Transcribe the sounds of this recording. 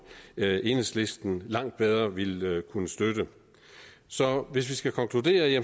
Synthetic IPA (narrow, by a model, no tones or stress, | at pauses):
e̝nəsle̝sd̥n̩lɑ̈ŋ̰d̥̚b̥eð̞ˠɐʋe̝lkʰunəsd̥ød̥ə | sɒ̽ʋe̝s̬ʋisɡ̥ækʰɒ̽ŋkʰlud̥e̝̰ːɐje